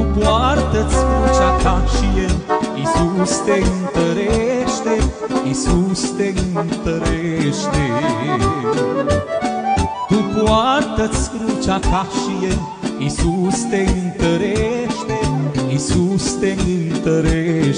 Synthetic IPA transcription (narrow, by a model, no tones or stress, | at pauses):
upwaɾt̪ət͡skɾut͡ʃakaʃienisust̪eŋɨnt̪əɾeʃt̪e | isust̪eŋɨnt̪əɾeʃt̪e | t̪upwaɾt̪ət͡skɾut͡ʃakaʃien | isust̪eŋɨnt̪əɾeʃt̪eisust̪eŋɨnt̪əɾe